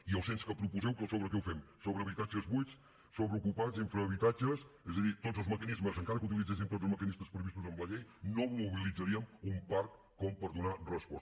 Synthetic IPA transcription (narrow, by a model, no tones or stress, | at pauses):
iəlˠsenskəpɾupuzɛwkəsoβɾəkɛwfɛmsoβɾəːβit̪ad͡ʒəzβujs | soβɾəukupad͡ziɱfɾəːβit̪ad͡ʒəsɛzəðit̪odzəlˠzməkənizməzəŋkaɾəkut̪ilˠid͡zes̬int̪odd͡zlˠzməkənisməspɾəβist̪uzəmləʎejnomuβilid͡zəɾiəmumpaɾkːɔmpəɾðunarəspɔs